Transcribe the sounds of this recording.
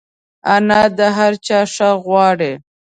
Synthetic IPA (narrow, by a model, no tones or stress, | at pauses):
anad̪əɦaɾt͡ʃɑːʂaɣwɑːɽe